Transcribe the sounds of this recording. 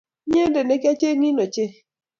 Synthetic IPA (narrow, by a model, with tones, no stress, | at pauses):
ɲe˦nde˨ne˨˦ka˦t͡ʃe˦ŋi˦no˨t͡ʃe˦